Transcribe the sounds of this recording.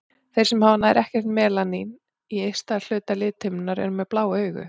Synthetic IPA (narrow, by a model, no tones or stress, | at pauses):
θejrsɛmhaːwvanaɛ̰ɾʔɛhcɛr̥t̪mɛːlanin | iejst̪al̥ʏːt̪alɪːt̪ʰhʏmnaɾɛ̰ɾʏmɛðplaːwœːɥɣʏ̰